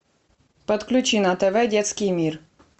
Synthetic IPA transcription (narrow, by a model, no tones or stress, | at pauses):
pɐt̪klʲʉt͡ɕinɐt̪ɛvɛdʲɛt̪skʲɪjmʲir